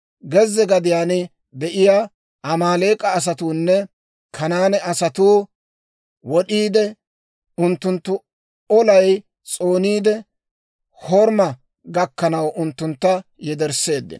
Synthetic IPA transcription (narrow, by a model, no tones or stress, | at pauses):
ɡɛzːɛɡɐd̪ɪjaːnɪ | d̪ɛʔɪjaː | ʔɐmaːleːkʼɐːs̬ɐt̪uːnːɛ | kʰɐnaːnɛɐsɐt̪uː | wɔɗiːd̪ɛ | ʊnt̪ːʊnt̪ːʊ | ɔlɐj | t͡sʼoːniːd̪ɛ | hɔɾmɐ | ɡɐkːɐnɐwʔʊnt̪ːʊnt̪ːɐjɛd̪ɛɾsːe̞ːd̪ːɪ̰n